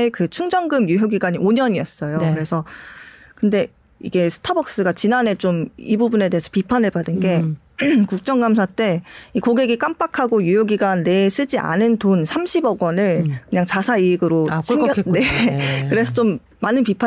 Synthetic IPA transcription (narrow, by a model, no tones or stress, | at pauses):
ekɯt͡ɕʰuŋd͡ʑʌŋɡɯmjujoɡiɡaɲioɲʌɲiʌs͈ʌjokɯɾe̞sʰʌ | kɯnde̞ | ḭɡe̞sʰɯ̥tʰabʌk̚s͈ɯɡat͡ɕinane̞t͡ɕomibubune̞de̞esʰʌ̥pipʰanɯɭbadɯnɡe̞ | kuk̚t͡ɕ͈ʌŋɡamsʰat͈e̞ikoɡe̞ɡik͈amp͈akʰaɡojujoɡiɡane̞s͈ɯd͡ʑiʔa̰nɯntonsʰamɕʰibʌɡʌnɯɭkɯɲaŋt͡ɕasʰaiɡɯɾot͡ɕŋne̞kɯɾe̞sʰʌt͡ɕomː | anɯnpipʰa